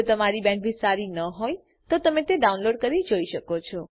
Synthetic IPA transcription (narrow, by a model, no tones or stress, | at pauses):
t̪əmaɾibɛ̃ɳʈbisaɾinəɦoj | t̪ot̪əmẽt̪eɖaunloɖ̚kəɾid͡ʒoiʃəkot͡ʃʰɔ